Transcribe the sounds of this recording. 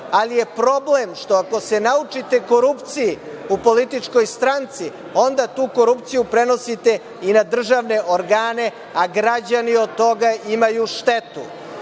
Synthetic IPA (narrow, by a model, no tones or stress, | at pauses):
alije̞pɾo̞blemʃt̪o̞ako̞se̞naut͡ʂit̪e̞ko̞ɾupt̪siji | upo̞lit̪it͡ʂko̞jst̪ɾant̪si | o̞nd̪at̪uːko̞ɾupt̪sijupɾe̞no̞sit̪e̞ | inad̪r̩ʒaʋne̞ʔoɾɡaːne̞ | aɡɾad͡ʑanio̞d̪̚t̪ːo̞ɡaʔimajuʃt̪e̞t̪ṵ